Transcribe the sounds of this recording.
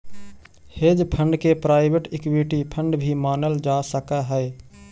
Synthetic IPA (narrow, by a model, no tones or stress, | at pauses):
hed͡ʒpʰə̃ɳɖkepɾaːɪbʱeʈikwiʈipʰəɳɖbʱimaːnəld͡ʒasəkaɦəe